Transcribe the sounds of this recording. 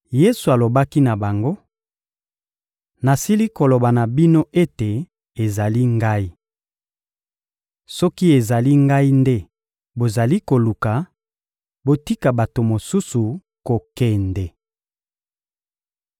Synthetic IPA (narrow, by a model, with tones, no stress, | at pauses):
je˦su˨a˨lo˨ba˦ki˦na˨ba˨ŋɡo˦ | na˨si˦li˦ko˨lo˨ba˨na˨bi˦no˦ʔe˦te˨ | e˨za˨li˦ŋɡa˦i˦ | sɔ˦ki˦e˨za˨li˦ŋɡa˦i˦nde˦ | bo˨za˨li˦ko˨lu˨ka˨ | bo˨ti˦ka˨ba˨to˨mo˨su˦su˨ | ko˨kɛ˨ndɛ˨